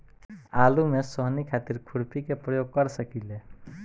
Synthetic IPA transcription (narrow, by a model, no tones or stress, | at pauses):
alumesɔɦnikʰat̪iɾkʰuɽpikepɾəjoɡ̚kʌɾsəkile